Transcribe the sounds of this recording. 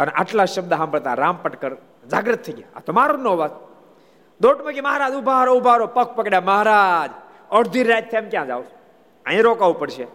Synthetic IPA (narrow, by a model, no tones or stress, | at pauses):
ənʔa̰ʈlaʃəb̚d̪aɦampɾt̪a̰ɾampəʈkəɾ | d͡ʒaɡɾət̪ʰːəiɡʲja̰a̰t̪omaɾunoʋat̪ | d̪oʈməkiməɦaɾad͡ʒubʱaɾoubʱaɾopək̚ʰpəkɽjaməɦaɾad͡ʒ | əɽd̪ʱiɾːajt̪ʰːemkjãd͡ʒa̰ʋ | əẽɾokaʋupəɽʃe